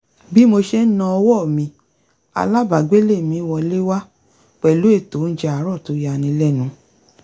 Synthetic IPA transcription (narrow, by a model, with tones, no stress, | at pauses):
bi˦mo˧ʃe˦nã˧ɔ˧wɔ˦˨mĩ˧˦ | a̰˧la˦ba˨ɡ͡be˦le˦˨mĩ˨˦wɔ˧˦le˦wa˦ | k͡pɛ˨lu˨˦e˦˨to˨˦n̩˦d͡ʒɛ˧a˨˦ɾɔ˦˨to˨˦ja˧˨nĩ˨˧˦lɛ˦˨nũ˨˦